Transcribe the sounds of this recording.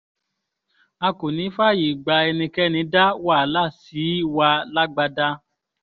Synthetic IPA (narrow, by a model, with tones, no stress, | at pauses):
a˧ko˨nĩ˨˦fa˦ji˨ɡ͡ba˧ɛ˧nĩ˧kɛ˦nĩ˧˦da˦wa˦˨la˦˨si˨˦wa˧la˦ɡ͡ba˧da˦